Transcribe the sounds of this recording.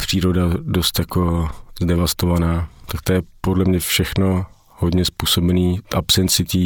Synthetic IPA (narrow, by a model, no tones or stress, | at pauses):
pr̝̥iːɾo̞dado̞st̪jako̞zdɛvast̪ovanaːt̪ak̚t̪ojɛpodlɛmɲɛfʃɛxno̞ | hodɲɛspuːso̞bɛniːtʔapsɛnt͡sɪt̪iː